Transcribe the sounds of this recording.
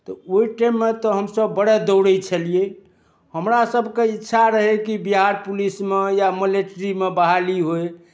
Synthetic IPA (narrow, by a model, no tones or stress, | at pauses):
t̪ɔoiʈamːet̪ɔɦəmsəbːəɽed̪əwɽɛt͡ʃʰəlije | həmɾasəbʱkeitːʃʰaɾəɦekibiɦaɾpulismejaməleʈɾimebaɦaliɦoj